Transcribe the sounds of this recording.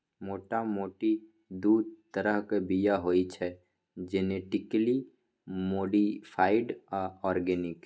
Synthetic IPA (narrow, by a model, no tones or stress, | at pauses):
moːʈamoːʈi | d̪uːd̪̚t̪əɾəɦkebijaɦoːit͡ʃʰɛ | d͡ʒɪneʈɪkli | moːɖipʰaːɪɖɔɔːɾɡɛːnɪk